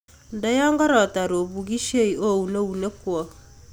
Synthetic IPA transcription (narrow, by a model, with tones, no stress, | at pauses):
ndɛ˦jɔ˦ŋɡɔ˦ɾɔ˨ta˨ɾo˨βu˨ɡi˦ʃe˦i˨o˦u˨ne˦u˨ne˦kwɔ˨